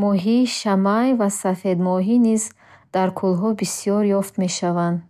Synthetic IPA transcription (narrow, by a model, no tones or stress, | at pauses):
mɔɦiʃamajvasafed̪mɔɦiniz | d̪̥aɾkʰulɦɔbisijɔɾjɔft̪meʃavand̪